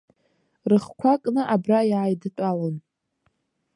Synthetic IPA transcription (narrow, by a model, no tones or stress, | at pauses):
rɨχkʷʰakʼnɨʔabrajaːjdɨtʷʼalon